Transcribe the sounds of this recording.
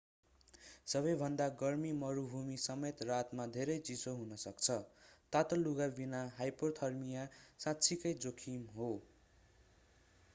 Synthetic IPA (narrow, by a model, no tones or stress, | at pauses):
sʌβʌjbʱʌnd̪aɡʌrmimʌɾubʱumisʌmet̪rat̪mad̪ʱeɾʌjt͡sisoɦunʌsʌkt͡sʰʌt̪at̪ʌluɡabinaɦajport̪ʰʌrmijasãtːt͡sʰikʌjd͡zokʰimɦo